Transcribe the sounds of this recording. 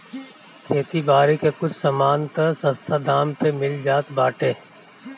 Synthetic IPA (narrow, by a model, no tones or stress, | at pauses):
kʰeːt̪ibaːɾekekʊt͡ʃʰsɐmaːnt̪ɐsə̃st̪ʰad̪aːmpemɪld͡ʒaːt̪baːʈeː